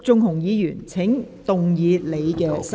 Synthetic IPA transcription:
t͡sʊ˧ŋɦʊ˨˩ŋjiː˨˧jyː˨˩nt͡sʰɪ˨˥ŋt̪ʊ˨ŋjiː˨˧le˨˧jkɛː˧sɐ˥

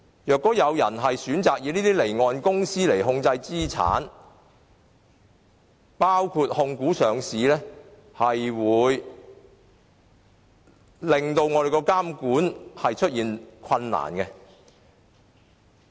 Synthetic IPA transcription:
jœː˨kːɔː˨˥jɐ˨˧wjɐ̰˨˩nɦɐ˨jsyː˨˥nt͡saː˨k̚jiː˨˧niː˥t̪iː˥le˨˩jŋɔː˨˧nkʊ˥ŋsiː˥le˨˩jɦʊ˧ŋt͡sɐ˧jt͡siː˥t͡sʰa̰ː˨˥n | paː˥wkʰuː˧t̚hʊ˧ŋkuː˨˥sœː˨ŋsiː˨˦lɛː˥ | hɐ˨jwuː˨˧j | lɪ˨ŋt̪o˧wŋɔː˨˧ɾe˨jkɔː˧kaː˥mkuː˨˥nhɐ˨jt͡ʃʰɵ˥t̚jiː˨nkʰɐ˧nːa̰ː˨˩nkɛ˧

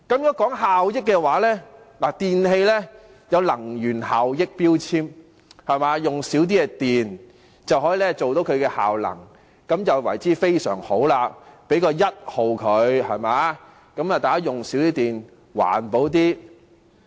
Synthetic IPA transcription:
kɐ˨˥mjɔː˨˥kɔː˨˥ŋɦaː˨wjɪ˥k̚ːɛː˧waː˨˥lɛː˥ | laː˨˩t̪iː˨nɦe˧jlɛ˥ | jɐ˨˧wlɐ˨˩ŋjyː˨˩nɦaː˨wjɪ˥k̚piː˥wt͡sʰiː˥m | hɐ˨jmaː˨˧jʊ˨ŋsiː˨˥wt̪̬iː˥ɛ˧t̪iː˨n | t͡sɐ˨whɔː˨˥jiː˨˧lɛ˥t͡so˨wt̪o˨˥wkʰɵ˨˧ɥkɛː˧ha̰ː˨wlɐ̰˨˩ŋ | kɐ˨˥mjɐ˨wwɐ̰˨˩jt͡siː˨˥fe˥jsœ̰ː˨˩ŋho˨˥wlaː˧pe˨˥jkɔː˧jɐ˥t̚ho˨wkʰɵ˨˧ɥhɐ˨˩maː˨˧ | kɐ˨˥mɐ˨t̪aː˨˩kaː˥jʊ˨ŋsiː˨˥wt̪iː˥t̪iː˨n | wa̰ː˨˩npo˨˥wt̪̬iː˥

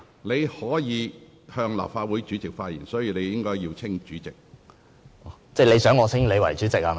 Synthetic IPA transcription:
ne˨˧jhɔː˨˥jiː˨˧ | hœː˧ŋla̰ː˨p̚faː˧t̚wu˨˥jt͡ʃyː˨˥t͡sɪ˨k̚faː˧t̚jiː˨˩nsɔː˨˥jiː˨˧le˨˧jjɪ˥ŋkɔː˥jjiː˧wt͡sʰɪ˥ŋt͡ʃyː˨˥t͡sɪ˨k̚ | ɔ˨˧t͡sɛ˥˩le˨˧jsœː˨˥ŋɔː˨˧t͡sʰɪ˥ŋle˨˧jwɐ̰˨˩jt͡ʃyː˨˥t͡sɪ˨k̚a˧

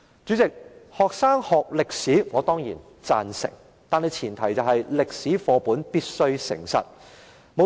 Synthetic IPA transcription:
t͡ʃyː˨˥t͡sɪ˨k̚hɔː˨k̚saː˥ŋhɔː˨k̚lɪ˨k̚siː˨˥ŋɔː˨˧t̪ɔː˥ŋjḭː˨˩n | t͡sa̰ː˨nsɪ̰˨˩ŋ | t̪aː˨nhɐ˨˧jt͡sʰiː˨˩nt̪ʰɐ˨˩jt͡sɐ˨˧wɦɐ˨jlɪ˨k̚siː˨˥fɔː˨˧puː˨˥npiː˥t̚sɵ˥ɥsɪ̰˨˩ŋsɐ̰˨t̚ | mo˨˧

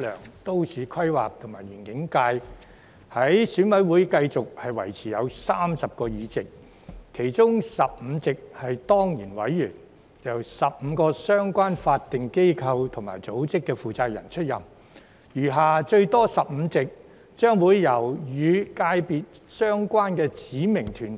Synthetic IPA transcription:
lœ̰ː˨˩ŋt̪o˥wsiː˨˧kʰɐ˥jwa̰ː˨p̚t̪ʰʊ˨˩ŋmaː˨˩jɥyː˨˩nkɪ˨˥ŋkaː˧j | hɐ˨˥jsyː˨˥nwɐ˨˥jwuː˨˥jkɐ˧jt͡sʊ˨k̚hɐ˨jwɐ̰˨˩jt͡sʰiː˨˩jɐ˨˧wsaː˥msɐ˨p̚kɔː˧jiː˨˧t͡sɪ˨k̚ | kʰːe˨˩jt͡sʊ˥ŋsɐ˨p̚m̩˨˧t͡sɪ˨k̚hɐ˨jt̪ɔː˥ŋjiː˨˩nwɐ̰˨˥jːyː˨˩n | jɐ˨˩wsɐ˨p̚m̩ː˨˧kɔː˧sœː˥ŋkʷaː˥nfaː˧t̚t̪ɪ˨ŋke˥jkʰɐ˧wt̪ʰʊ˨˩ŋmaː˨˩jt͡so˨˥wt͡sɪ˥kːɛ˧fuː˨t͡saː˧k̚jɐ˨˩nt͡ʃʰɵ˥t̚jɐ˨˩m | jyː˨˩ɦaː˨˩t͡ʃɵ˧ɥt̪ɔː˥sɐ˨p̚m̩˨˧t͡sɪ˨k̚ | t͡ʃœː˥ŋwuː˨˧jːɐ˨˩wjyː˨˧kaː˧jpiː˨t̚ | sœː˥ŋkʷaː˥nkɛː˧t͡siː˨˥mɪ˨˩ŋt̪ʰyː˨˩n

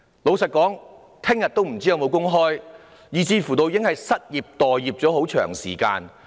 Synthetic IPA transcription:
lo˨˧wsɐ˨t̚kɔː˨˥ŋ | t̪ʰɪ˥ŋjɐ˨t̪o˥wm̩˨˩t͡siː˥jɐ˨˧wmo˨˧wkʊ˥ŋɦɔː˥j | jiː˨˩t͡siː˧fuː˨˩t̪o˧wjɪ˥ŋhɐ˨jsɐ˥t̚jiː˨˩p̚t̪ɔː˨˩jːiː˨˩p̚t͡sɔː˨˥ho˨˥wt͡ʃʰœ̰ː˨˩ŋsiː˨˩ka̰ː˧n

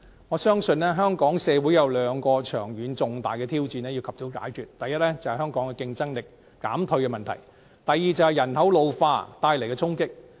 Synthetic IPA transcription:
ŋɔː˨˧sœː˥ŋsɵ˧nːɛː˥ɦœː˥ŋkɔː˨˥ŋsɛː˨˧wu˨˥jɐ˨˧wlœː˨˧ŋkɔː˧t͡ʃʰœː˨˩ŋjyː˨˧˥nt͡sʊ˨ŋt̪aː˨˩jkɛː˧t̪ʰiː˥wt͡siː˧nɛː˥ji˧wkʰɐ˨˩p̚to˨˥wka̰ː˨˥jkʰyː˨t̚t̪ɐ˨˩jɐ˥t̚lɛː˥t͡sɐ˨˩whɐ˨jɦœː˥ŋkɔː˨˥ŋkɛ˧kɪ˧ŋt͡sɐ˥ŋlɪ˨k̚ː | a̰ː˨˥mt̪ʰɵ˧ɥkɛ˧mɐ˨nt̪ʰɐ̰˨˩j | t̪ɐ˨jːiː˨t͡sɐ˨˧whɐ˨jɐ˨˩nhɐ˨˥wlo˨˧wfa̰ː˧t̪aː˧jle˨˩jkɛː˧t͡sʰʊ˥ŋkɪ˥k̚

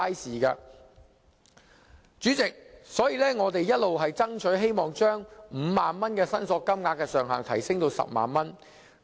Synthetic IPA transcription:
a˥siː˨˩kaː˧ | t͡ʃyː˨˥t͡sɪ˨k̚sɔː˨˥jiː˨˧lɛː˥ŋɔː˨˧t̪̬e˨jɐ˥t̚lo˨wɦɐ˨jt͡sɐ˥ŋt͡ʃʰɵ˨˥ɦe˥jmɔː˨ŋt͡ʃœː˥ŋm̩ː˨˧maː˨nmɐ˥nkɛː˧sɐ˥nsɔː˧kːɐ˥mŋaː˧kːɛː˧sœː˨ŋɦa̰ː˨ŋt̪ʰɐ̰˨˩jsɪ˥ŋt̪o˧wsɐ̰˨p̚ma̰ː˨nmɐ˥n

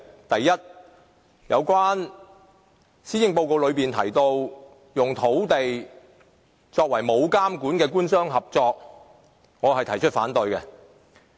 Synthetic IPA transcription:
t̪ɐ˨jːɐ˥t̚ | jɐ˨˧wkwaː˥n | siː˥jɪ˧ŋpo˧wko˨˧wlɵ˨˧ɥpiː˨nt̪ʰɐ̰˨˩jt̪o˧w | jʊ˨˩ŋt̪ʰo˨˥wt̪e˨j | t͡sɔː˧k̚wɐ˨˩jmo˨˧wkaː˥mkuː˨˥nkɛː˧kuː˥nsœː˥ŋɦɐ˨p̚t͡sɔː˧k̚ | ŋɔː˨˧ɦɐ˨jt̪ʰɐ˨˩jt͡ʃʰɵ˥t̚fa̰ː˨˥nt̪ɵ˨ɥkɛ˧

